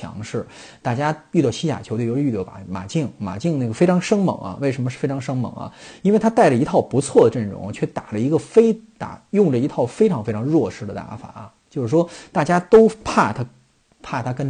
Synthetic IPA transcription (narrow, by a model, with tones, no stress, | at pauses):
jɑ̰˧˥ŋʂɻ̩˥˩ | t̪a˥˩t͡ɕja˥y˥˧t̪ɑ˥˩ʊɕi˥ja̰˨˩t͡ɕʰjo˧˥˩o˧˥˧y˥˧˩jɑ̰˥˩˨ma̰˨˩t͡ɕi˥˩ŋma̰˨˩t͡ɕi˥˧ŋna˥˩ɡə˩fe˥ɪʈ͡ʂʰɑ˧˥ŋʂɤ˥ŋmɤ̰˧˩˥ŋɐ̰˧we˥˩ɪʂ̬ə˧˥nmə˧ʂɻ̩˥˩fe˥ɪɑ˧˥ŋʂɤ˥ŋmɤ̰˧˥ŋɐ̰˧i˥nwe˥˩ɪt̪ʰa˥t̪a˥˩ɪʈ͡ʂə˩i˧˥t̪ʰɑ˥˩ʊpu˧˥t͡sʰwɔ˥˩d̪ə˩ʈ͡ʂə˥˩nɻʊ̰˧˥ŋt͡ɕʰɥɛ˥˩t̪a˨˩ʈ͡ʂə˦i˧˥ɡə˧fe˥ɪt̪a̰˨˩jʊ˥˩ŋʈ͡ʂə˩i˧˥t̪ʰɑ˥˩ʊfe˥ɪʈ͡ʂʰɑ˧˥ŋfe˥ɪʈ͡ʂʰɑ˧˥ŋɻwɔ˥˩ʂɻ̩˥d̪ə˨t̪a̰˧˥fa̰˨˩˦t͡ɕjo˥˧ʊʂɻ̩˥˩ʂwɔ˥t̪a˥˩t͡ɕja˥t̪o˥ʊpʰa˥˩t̪ʰa˥ | pʰa˥˩t̪ʰa˥kə˥n